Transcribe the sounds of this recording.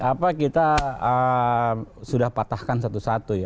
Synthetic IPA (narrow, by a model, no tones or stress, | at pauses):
apakit̪aə | sudahpat̪ahkansat̪usat̪uja